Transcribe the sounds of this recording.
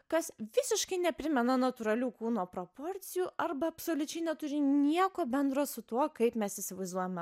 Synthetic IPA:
kɐsʋʲɪsʲɪʃkɐɪnʲɛpʲɾʲɪmʲɛnɐnɐt̪ʊɾɐlʲuːkuːnoːpɾopoːɾʲt̪sʲɪjuːʔɐɾbɐɐpsoːlʲʊt͡ʃʲɛɪnʲɛt̪ʊɾʲɪnʲiɛkoːbʲɛnd̪ɾoːsʊt̪uɔkɐɪpmʲɛsɪsʲɪʋɐɪzd̪uɔjɛmʲɛ

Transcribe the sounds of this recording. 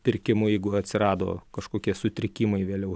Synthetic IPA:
pʲɪɾʲkʲɪmʊjɛɪɡʊɐt̪ʲsʲɪɾɑːd̪o̰ːkɐʃkoːkʲiɛsʊt̪ʲɾʲɪkʲiːmɐɪʋʲeːlʲɛʊ

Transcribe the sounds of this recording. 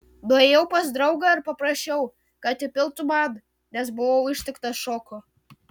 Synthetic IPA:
d̪oːejɛʊpɐsd̪ɾɐʊɡɐɪɾpɐpɾɐsʲt͡ʃʲɛʊ | kɐt̪ɪpʲɪlˠt̪ʊmɑd̪ | nʲɛs̬bʊʋɐʊɪʃʲt̪ʲɪkt̪ɐʃoːkʊ

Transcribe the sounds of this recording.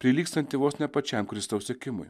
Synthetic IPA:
pʲɾʲɪlʲiːkst̪ɐnʲt̪ʲɪʋoːsnʲɛpɐt͡ʃʲɛmkɾʲɪst̪ɐʊsʲeɛkʲɪmʊ̰j

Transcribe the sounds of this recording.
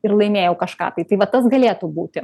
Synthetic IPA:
ɪɾlˠɐɪmʲeːjɛʊkɐʃkɑ̰ːt̪ɐɪt̪ɐɪʋɐt̪ɐsɡɐlʲeːt̪uːbuːt̪ʲɪ

